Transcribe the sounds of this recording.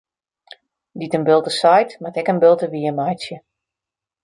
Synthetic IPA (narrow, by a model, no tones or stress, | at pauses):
ditənbɪlˠtəsajtmatɛkənbɪlˠtəʋiəmajsjə